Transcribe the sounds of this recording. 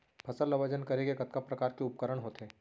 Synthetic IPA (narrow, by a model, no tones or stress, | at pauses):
pʰɐsəlːɐʋəd͡ʒənkɐɾeɡekɐt̪̚kapɾɐkaːɾkeʊpkəɾəɽ̃ɦoːt̪ɦɛː